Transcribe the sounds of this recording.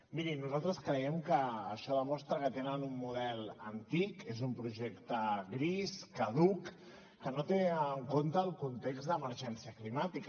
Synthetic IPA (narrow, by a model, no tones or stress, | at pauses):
miɾinuzalˠt̪ɾəskɾəɛmkəːʃɔðəmɔst̪ɾəkət̪enənumːuðɛlˠənt̪ikezumpɾuʒekt̪əɣɾiskəðukː | ənot̪eəŋkont̪əːlˠkunt̪ekzd̪əməɾʒɛnsiəklimat̪ik